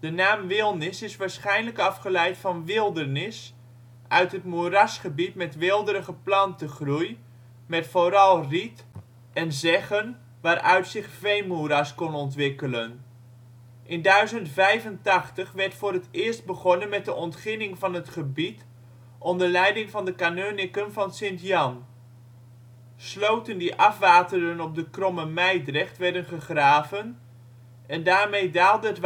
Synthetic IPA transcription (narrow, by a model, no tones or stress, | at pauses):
d̥ənaːmʋɪlˠnɪsɪsʋaːɹsχɛjnləkɑfχəlɛjtfɑnʋɪlˠdərnɪs | ʔœɥtɦətmuəɾɑsχəbitmɛtʋɪlˠdəɾəχəplɑntəχruj | mɛtfoɾɑlˠrit | ɛnzɛχən | ʋaːɾʔœ̰ɥtsɪχfejmuəɾaskɔnɔntʋɪkələn | ʔɪndœɥzəntfɛjvəntɑχtəχʋɛɹtfʊːɾətɪːɹst̚bəχɔnənmɛt̚dəʔɔntχɪnɪŋvɑnɦətχəbit | ʔɔndəɹlɛjdɪŋvɑndəkanoːnɪkənvɑnsɪntjɑn | slowtəndiʔɑfʋaːtəɾənɔp̚dəkrɔməmɛjdrɛχtʋɛɹdənχəχraːvən | ɛndaːɹmejdaːlˠdəɦətʋ